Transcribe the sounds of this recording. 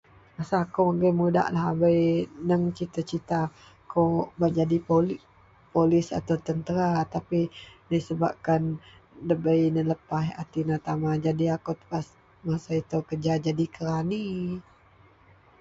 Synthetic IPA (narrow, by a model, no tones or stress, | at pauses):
masaːkoəɡəmuda̰ʔlaɦabəjnəmt͡ʃit̪ət͡ʃit̪a | kobad͡ʒadipol | polɪsa̰t̪awt̪ənt̪əɾat̪apidəsəba̰p̚kandəbəjnələpaɦa̰t̪inat̪amad͡ʒadiakot̪ə̥pas | masait̪owkəd͡ʒad͡ʒadikəɾani